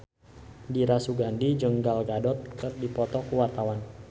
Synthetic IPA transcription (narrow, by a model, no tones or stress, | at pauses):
diɾasuɡandid͡ʒəŋɡalɡadɔt̪̚kərdipɔt̪ɔkuwart̪awan